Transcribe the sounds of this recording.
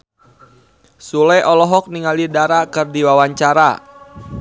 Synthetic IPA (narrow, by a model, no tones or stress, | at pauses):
sulɛʔɔlɔɦɔk̚niŋalidaɾakɨrdiwawaɲt͡ʃaɾa̰